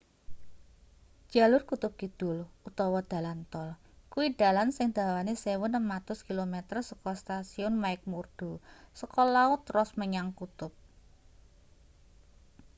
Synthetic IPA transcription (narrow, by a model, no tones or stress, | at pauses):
ʒ̥a̤lʊrkut̪ʊp̚ɡ̥id̪̥ʊ̤lut̪ɔwɔd̪̥ä̤lant̪ɔl | kuwid̪̥a̤lansɪŋd̪̥a̤wanisewʊnəmat̪ʊskilomet̪ərsəkɔst̪asiʊnmaɪk̚murd̪̥o̤səkɔlaʊt̪ːrɔsməɲaŋkut̪ʊp̚